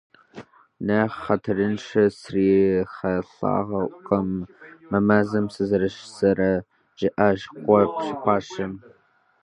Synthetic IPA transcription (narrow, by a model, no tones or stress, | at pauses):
nɐχːɐtʰɐrɨnʂɐsriːχɐɬa̰ːʁɐʔʷqɐmːɐmɐzɐmsɨzɐɾɐʃsɐɾɐ | ʒ̥ɪʔɐʒqʷɔpɕɪpʷɑːʃɐm